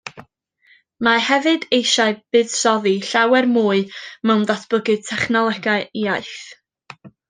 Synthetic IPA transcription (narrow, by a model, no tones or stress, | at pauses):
mahɛvɨdejʃaɨb̥ɨd̥sɔðiɬawɛrmuːɨmɛwnðɔtʰb̥ʊɡɨd̚tʰɛχnɔlˠɛɡaɨiaɨθ